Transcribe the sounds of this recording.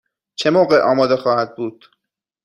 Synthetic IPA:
t͡ʃʰe̞moːɢe̞ʔɒːmɒːd̪e̞xɒːhæd̪̚buːd̪̥

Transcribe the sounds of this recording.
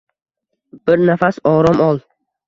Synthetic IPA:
b̥ɪɾnafasɒɾɒmɒlˠ

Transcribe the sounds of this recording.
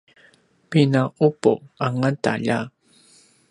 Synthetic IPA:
pɪnaʊpo̰aŋant̪a̰ʎa

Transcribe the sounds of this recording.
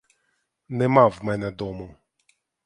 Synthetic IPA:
nɛmawmɛnɛd̪ɔmʊ

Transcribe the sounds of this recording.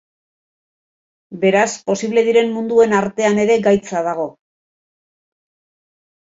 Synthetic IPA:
be̞ɾaspo̞siβle̞ðiɾe̞nmund̪ue̞naɾt̪e̞ane̞ɾe̞ɡajt͡sað̞aɣo̞

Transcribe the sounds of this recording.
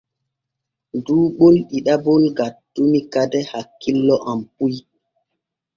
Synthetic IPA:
duːɓolɗiɗabolɡatːumikadɛhakːilːɔʔampuj

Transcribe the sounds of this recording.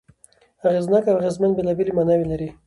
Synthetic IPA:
aɣeznakawɣezmanbelabelimanawilaɾi

